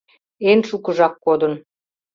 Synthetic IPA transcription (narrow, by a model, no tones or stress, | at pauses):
enʃukɤ̆ʒɑkːod̪ə̆n